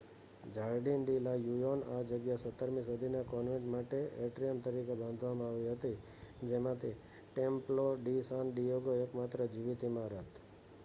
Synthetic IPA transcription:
d͡ʒaɾɖinɖilajujonad͡ʒəɡjasət̪ːəɾmĩsud̪ʱinakɔnʋɛ̃ʈmaʈeeʈɾijəmt̪əɾikebãnd̪ʱʋamãaʋiɦət̪i | d͡ʒemãt̪ʰi | ʈemploɖisãnɖijoɡoekmat̪ɾəd͡ʒiʋit̪imãɾət̪

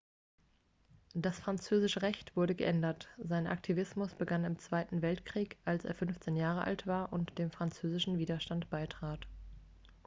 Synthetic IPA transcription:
d̥asfʁ̥ant͡søːzɪʃəʁɛçtv̥ʊɐɾəɡəʔɛndɐtz̥aɪnʔa̰ktʰivɪsmʊsb̥əɡanɪmt͡sv̥aɪtn̩vɛltkʁ̥iːkʔalsḛːɐfʏnft͡seːnjaːʁəʔa̰ltv̥aːɐʔʊntd̥eːmfʁ̥ant͡søːzɪʃn̩viːdɐʃtantb̥aɪtʁ̥aːt

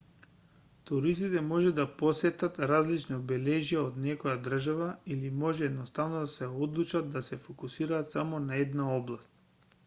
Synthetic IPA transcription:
t̪uɾist̪it̪ɛmɔʒɛd̪aposɛt̪at̪ɾazlit͡ʃnɔbɛlɛʒijaod̪nɛkɔjad̪r̩ʒavailimɔʒɛːd̪nost̪avnod̪asɛod̪lˠut͡ʃat̪̚d̪asɛfokusiɾaːt̪samonaɛd̪naɔblˠast̪̚

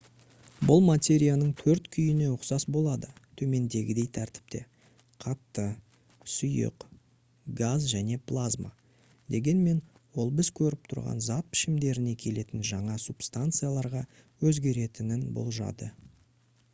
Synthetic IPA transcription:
bʊlˠmat̪ʲe̞ɾʲijanəɴt̪ʰɵɾt̪kʲʰʏjɪne̞ʊqsɑsbo̞lˠɑd̪ət̪ʰɵme̞nd̪e̞ɡʲɪd̪e̞jt̪ʰæɾt̪ɪ̥p̚t̪e̞̰ | qʰɑt̪ːə | sʊjə̰q | ɡazʒæne̞plˠazma̰ | d̪e̞ɡʲe̞nme̞n | wo̞lˠbɪzkʲʰɵɾɪp̚t̪ʰʊɾʁɑ̰nzɑt̪̚pʰɪ̥ʃɪmd̪e̞ɾɪne̞kʲʰe̞le̞t̪ɪnʒɑɴɑsupst̪ant̪sɨjalˠɑɾʁɑ | wɵzɡʲe̞ɾe̞t̪ɪnɪnbo̰lˠʒɑ̰d̪ə

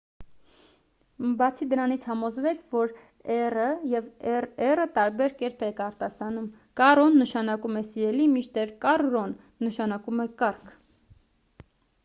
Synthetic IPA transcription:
bɑt͡sʰid̪əɾɑnit͡sʰhɑmɔzvɛkʰvɔɾ | ɛrəjɛvɛɛrət̪ɑɾbɛɾkɛɾpʰɛkɑɾt̪ɑsɑnum | kɑrɔnːəʃɑnɑkumɛsiɾɛlimit͡ʃt̪ɛɾkɑrːɔnː | əʃɑnɑkumɛkɑrkʰ

